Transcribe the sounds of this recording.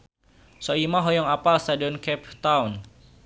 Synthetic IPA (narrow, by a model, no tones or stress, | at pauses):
sɔimaɦɔjɔŋapalst̪adiɔnkɛp̚t̪awn